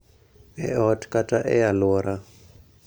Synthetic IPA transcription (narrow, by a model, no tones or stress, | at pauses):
ɛ̰ɔtʰkʼatʼaʔɛ̰jalɔɾa